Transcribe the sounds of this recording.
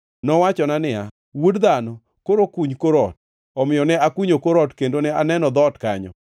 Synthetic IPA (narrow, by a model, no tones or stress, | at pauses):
nɔwat͡ʃɔnanɪa | wodd̪anɔ | koɾokuɲkoɾɔt̚ | ɔmɪjɔnɛakuɲokoɾɔtkendonɛanɛnɔd̪ɔtkaɲɔ̰